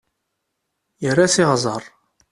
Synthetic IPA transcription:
jərːasiʁzˤəɾˤ

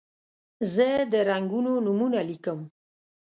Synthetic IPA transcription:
zəd̪əɾaŋɡunonumunalikəm

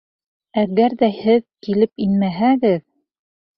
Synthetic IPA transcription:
æɣæɾðæhɘðkilɘpinmæɦæɡɘð

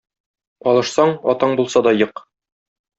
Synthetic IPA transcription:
ɒlˠɤ̆ʃsɑɴɒt̪ɑɴbulˠsɑd̪ɒjɤq

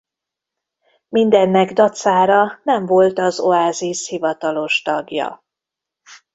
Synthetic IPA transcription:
mind̪ɛnːɛɡd̪ɒt̪saːɾɒnɛɱvo̞lt̪ɒzo̞aːzishivɒt̪ɒlo̞ʃt̪ɒɡjɒ̰

